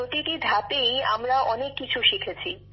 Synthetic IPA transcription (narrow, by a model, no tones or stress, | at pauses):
ot̪iʈid̪ʱat̪eja̰mɾaʔɔnekːit͡ɕʰuʃikʰet͡ɕʰi